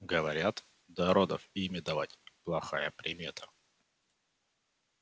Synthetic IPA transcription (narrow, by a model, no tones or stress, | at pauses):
ɡəvɐɾʲat̪ | d̪ɐɾod̪ə̰fimʲɪd̪ɐvatʲplˠɐxajəpɾʲɪmʲe̞t̪ʰə̥